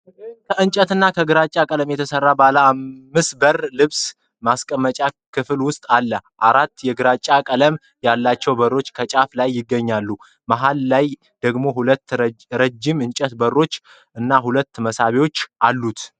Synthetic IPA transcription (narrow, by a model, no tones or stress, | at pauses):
kʰəɨnt͡ʃʼət̪ɨnːakʰəɡɨɾat͡ʃʼakʼələmjɛt̪ʰəsərːabalaːmmːɨsbəɾlɨβs | maskʼəmːət͡ʃʼakʰɨflwʊst̪ʼalːəʔaɾat̪ːjɛɡɨɾat͡ʃʼːakʼələm | jalːat͡ʃːɛwbərːo̞t͡ʃːkʰət͡ʃʼaflajːɪɡːəɲːalːu | maɦalːaj | d̪̥əɡmo̞ɦulət̪ːɾəd͡ʒːɪmɨnt͡ʃʼət̪bərːo̞t͡ʃː | ʔɨnːaɦulət̪ːməsaβewo̞t͡ʃːʔalːut̪